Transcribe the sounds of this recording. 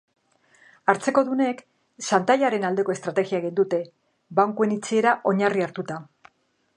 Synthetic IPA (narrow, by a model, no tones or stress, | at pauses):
aɾt͡se̞ko̞ðune̞k | sant̪aʎaɾe̞nald̪e̞ko̞e̞st̪ɾat̪e̞ɣiaeɣ̞ind̪ut̪e̞ | βaŋkue̞nit͡sie̞ɾaʔo̞ɲariaɾt̪ut̪a